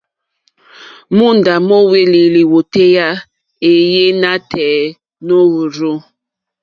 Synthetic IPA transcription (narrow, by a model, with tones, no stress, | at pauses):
mu˦nda˨mɔ˦we˦li˨li˨wo˨te˦ja˦ | e˨je˦na˦tʰɛː˨˦ | no˦wu˨ɾo˦